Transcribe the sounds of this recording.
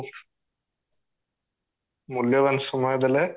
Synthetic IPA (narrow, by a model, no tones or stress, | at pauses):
muljɐʋɐnsumɐjɐd̪ɐle